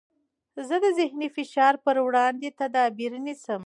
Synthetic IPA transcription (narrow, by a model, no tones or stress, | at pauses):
zəd̪əzɪhnifɪʃɑɾpəɾwɽɑnd̪et̪ad̪ɑbiɾnisəm